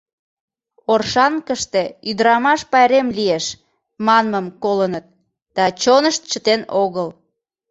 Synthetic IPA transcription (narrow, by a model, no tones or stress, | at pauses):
orʃɑŋkəʃt̪e̽yd̪əɾɑmɑʃpɑjɾemlieʃ | mɑnməmkolənət̪̚ | d̪̥ɑt͡ɕonəʃt̪̚t͡ɕət̪enoɣəl